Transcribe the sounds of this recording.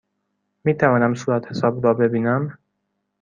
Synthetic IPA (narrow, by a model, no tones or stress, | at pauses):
miːt̪ʰævɒːnæmsuːɾæt̪he̞sɒːbɾɒːbe̞biːnæm